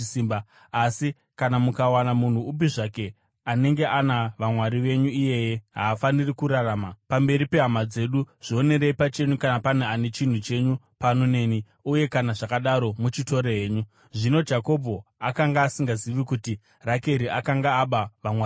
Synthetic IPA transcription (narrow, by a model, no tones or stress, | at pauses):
siːmba | asi | kanamukawanamun̤uːp̬iʐake̞ | ane̞ŋɡe̞ʔanaʋamwaɾiʋe̞ɲuije̞jeɦaːfanirikuɾaraːmapambe̞ɾipe̞ɦamad͡ze̞ɗuʐ̥io̞ne̞ɾeipat͡ʃe̞ɲukanapaneane̞t͡ʃin̤ut͡ʃe̞ɲupanone̞ni | uje̞kanaʐakaɗaɾo̞mut͡ʃito̞ɾeɦeːɲu | ʐino̞d͡ʒako̞bʱo̞akaŋɡaːsiŋɡaziʋikuti | rake̞ɾiʔakaŋɡaːɓaʋamwa